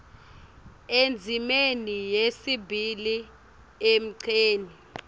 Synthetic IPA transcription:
end͡zʱimenijesibʱili | em̩ǀʰeːni

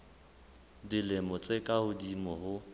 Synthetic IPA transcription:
dilɪmʊt͡sʼekʼahʊdimɔhʊ

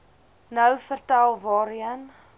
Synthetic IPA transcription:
nəwfərtælˠvɑːɾiən

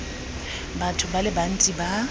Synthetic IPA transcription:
batʰʊbalɪban̩tʼiba

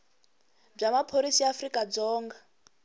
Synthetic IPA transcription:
b͡ʐamapʰoɾisiafrikʼad͡zɔːŋɡa

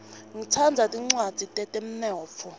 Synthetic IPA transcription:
ŋitʰand͡zʱatʼiŋ͡ǀwad̥ʱitʼɛtʼem̩nɔːp̪fʰɔ

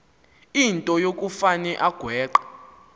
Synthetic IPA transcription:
intʼɔjokʼufanɛʔaɡ̥ʱwɛːǃḁ

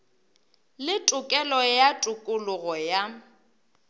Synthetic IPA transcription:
lɪtʼʊkʼɛlɔjatʼʊkʼʊlʊɣɔja

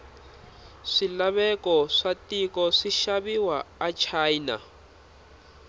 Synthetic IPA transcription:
ʂilaβɛkɔʂatikɔʂiʃaβiwaat͡ʃʰajna̰

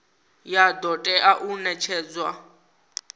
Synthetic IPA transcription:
jadɔtʼɛʔaʔunɛt͡ʃʰɛːd͡zwa

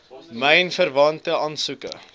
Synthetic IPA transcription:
məjnfərvɐntəɑnsukə̰

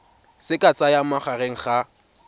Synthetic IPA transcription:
sɪkʼat͡sʼajamaχareŋ̩χa

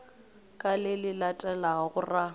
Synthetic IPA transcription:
kʼalɪlɪlatʼɛlaɣʊra

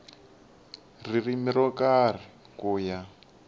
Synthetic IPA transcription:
ririmiɾɔkar̤i | kuːja

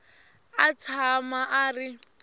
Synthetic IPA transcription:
at͡sʰamaʔaːri

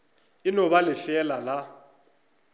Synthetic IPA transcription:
ɪnɔβalɪfɛlala

